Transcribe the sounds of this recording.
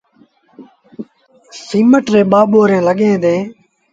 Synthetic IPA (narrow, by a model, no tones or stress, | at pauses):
siːməʈɾeːɓaːɓoːɾẽːləɠẽːd̪ẽː